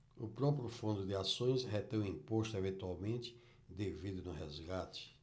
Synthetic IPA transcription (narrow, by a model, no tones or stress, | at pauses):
ʊpɾɔpɾjʊfũnd̪ʊd̪ɪasõj̃sɦet̪ẽj̃ʊĩpost̪ʊevẽt̪uawmẽnt̪ɪ̥ | d̪evid̪ʊnʊɦɛzɡat͡ʃ̪ɪ̥